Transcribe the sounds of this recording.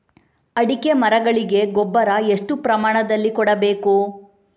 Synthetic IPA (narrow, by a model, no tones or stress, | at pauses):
ɐɽike̞mɐɾɐɡɐɭiɡe̞ɡɔbːɐɾɐe̞ʂʈupɾɐmaːɳɐd̪ɐlːikɔɽɐbe̞ːku